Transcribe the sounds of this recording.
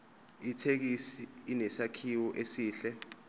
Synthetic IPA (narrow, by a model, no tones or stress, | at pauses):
itʰek̬isiːnɛsakʰiwɔʔesiːɬɛ